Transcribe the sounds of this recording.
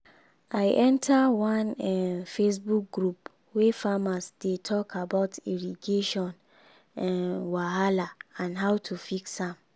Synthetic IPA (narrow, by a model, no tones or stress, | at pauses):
aɪʔɛ̃ntʰawɔ̃nɛfesbuk̚ɡɹup | wefamasdetʰɔkʰabaʊtʰiɹiɡeʃɔ̃n | waɦalaãnɦaʊtʰufiksãm